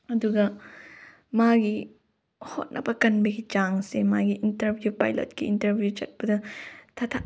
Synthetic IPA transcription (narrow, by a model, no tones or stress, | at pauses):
ɐduɡɐ | maɡi | ho̰t̚nʔɐbɐkɐnbɐɡit͡ʃaŋsemaɡiʔintɐɾbʱjupa̰jlo̰t̚kiintɐɾbʱjut͡ʃɐt̚bɐdɐtʰɐtʰa